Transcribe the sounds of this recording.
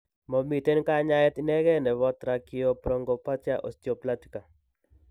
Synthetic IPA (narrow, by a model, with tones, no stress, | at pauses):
mɔ˨mi˨te˦nka˦ɲa˦ɛ˦t̪inɛ˦ɡɛ˦nɛ˨wɔ˦t̪ɾa˨kɪ˦o˨pɾo˦ŋɡo˨pa˦t͡ʃa˦ʔo̰˨stjo˨pla˦ti̥˨ka˨